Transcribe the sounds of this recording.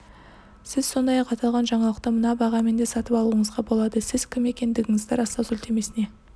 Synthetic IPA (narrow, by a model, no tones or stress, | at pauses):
sɪzso̞nd̪ɑjɑqɑt̪ɑlˠʁɑnʒɑɴɑlˠəq̚t̪əmənɑbɑʁɑme̞nd̪esɑt̪əpɑlˠuəɴəzʁɑbo̞lˠɑd̪əsɪz̥kʲʰɪme̞kʲe̞nd̪ɪɡʲɪŋɪzd̪ɪɾɑsɑwsʏlʲt̪ʰe̞me̞sɪne̞